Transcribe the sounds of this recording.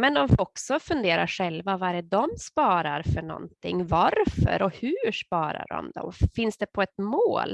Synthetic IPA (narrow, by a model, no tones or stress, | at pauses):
mɛnd̪ɔmfɔksɔfɵnd̪eːɾaʂɛlvavaɛɾɛd̪ɔmspɑːɾaɾfœɳɔ̰nt̪ʰɪŋːvaɾfœ̰ɾɔhʉʂpɑːɾa̰ɖɔ̰md̪ɔ̰mfɪnsd̪ɛpʰɔɛt̪moːl